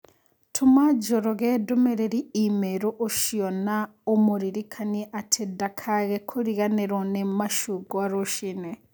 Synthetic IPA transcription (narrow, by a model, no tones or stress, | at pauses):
tʰumad͡ʒoɾoɣeːdomeɾeɾiimeɾoʔoʃionaomuɾiɾikʰaniʔatʰedakʰaɣekʰoɾiɣaneɾonemaʃuɡoaɾoʃine